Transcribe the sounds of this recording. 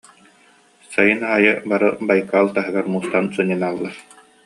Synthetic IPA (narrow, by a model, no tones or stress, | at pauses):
sajɯnaajɯbaɾɯbajkalˠt̪aɦɯɡaɾmuːst̪ansɯɲɯnalˠːaɾ